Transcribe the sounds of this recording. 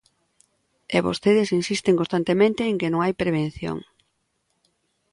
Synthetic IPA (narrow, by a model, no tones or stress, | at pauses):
ɛβo̰st̪eðɪsinsist̪eŋkõnst̪ant̪emẽnt̪eːŋkenõŋajpɾeβ̞en̟θjo̰ŋ